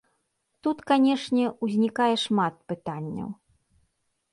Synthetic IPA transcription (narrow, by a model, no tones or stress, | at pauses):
t̪ut̪kanʲɛʂnʲɛuzʲnʲikajɛʂmat̪̚pɨt̪anʲːɐ̰w